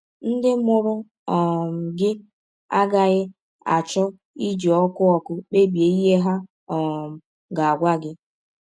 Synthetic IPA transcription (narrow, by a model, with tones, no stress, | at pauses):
n̩˦dɪ˦mʊ˦ɾʊ˦ | ɔ˨m̩˨ɡɪ˦ | a˦ɡa˦ɣɪ˦ | a̰˨t͡ʃɔ˦ | i˦d͡ʒɔ˨ɔ˦kʊ˦ɔ˦kʊ˦k͡pe˦bje˨i˦ɦe˦ɦa˦ | ɔ˨m̩˨ | ɡa˨a˨ɡʷa˦ɡɪ˦